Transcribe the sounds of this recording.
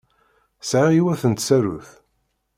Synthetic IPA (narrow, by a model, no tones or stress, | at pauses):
sʕaiwæθənt̪sæɾṵθ